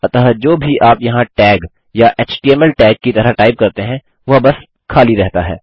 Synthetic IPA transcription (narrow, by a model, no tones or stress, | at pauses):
ɐt̪aːɦd͡ʒoːbʱiʔaːpjɐɦãʈɛːɡ | jaʔeːt͡ʃʈiːɛmɛlʈɛːɡ̚kit̪ɐɾaʈaːɪb̚kɐɾt̪eɦɛ̃ | ʋɐbɐs | kʰaːliɾɛɦt̪aɦɛ̰ː